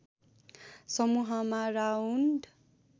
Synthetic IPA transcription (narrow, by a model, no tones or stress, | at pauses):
sʌmuɦʌmaraunɖ